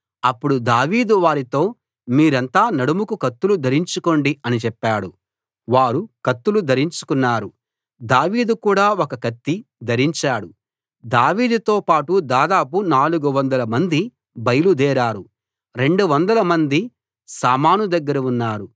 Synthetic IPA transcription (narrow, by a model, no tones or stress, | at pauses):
ɐpːuɽud̪aːʋiːd̪uʋaːɾit̪o̞ː | miːɾɐnt̪aːnɐɽumukukɐt̪ːulud̪ʱɐɾiɲt͡ʃuko̞ɳɖiɐnit͡ʃɛpːaːɽu | ʋaːɾukɐt̪ːulud̪ʱɐɾiɲt͡ʃu̥kunːaːɾu | d̪aːʋiːd̪ukuːɽaːɔkɐkɐt̪ːid̪ʱɐɾiɲt͡ʃaːɽu | d̪aːʋiːd̪ut̪oːpaːʈud̪aːd̪aːpunaːluɡuʋɐnd̪ɐlɐmɐnd̪i | bɐjɐlud̪ɛːɾaːɾu | ɾe̞ɳɖuʋɐnd̪ɐlɐmɐnd̪i | saːmaːnud̪ɐɡːɐɾɐunːaːɾu